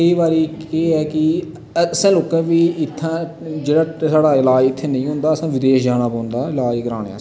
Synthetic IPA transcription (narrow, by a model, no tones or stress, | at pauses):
kəiːbaːɾiːkeːɛːkɪ | sãːloːkãːʋiːɪt̪ʰːãː | d͡ʒeːɽaːsaːɽaːɪlaːɪt̪ʰːeːnəĩːɦʊ̃nd̪aːəsãːʋɪd̪eːʃd͡ʒaːnaːpɔ̃ːnd̪aːɪlaːkəɾaːɽḛa̰ː